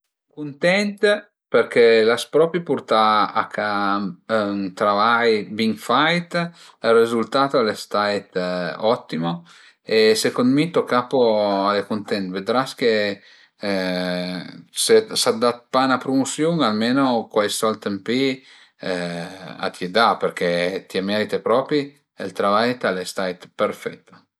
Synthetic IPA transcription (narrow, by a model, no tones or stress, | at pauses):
kunt̪ɛnt̪ | perkelaspɾɔpipurt̪aaka | t̪ɾavajbiŋfajt̪ | arizult̪aːt̪oalest̪ajt̪ɔt̪ːimo | esekond̪mit̪okːapoalekont̪ɛnt̪ved̪ɾaske | sesad̪at̪̚panapɾumusjuŋalmeːnokwajsɔlt̪empi | a̰t̪ʰjed̪aperk̟ʰet̪iamɛɾit̪epɾɔːpɾi | ḛlt̪ɾavajt̪alest̪ajt̪peɾfɛt̪ːo̥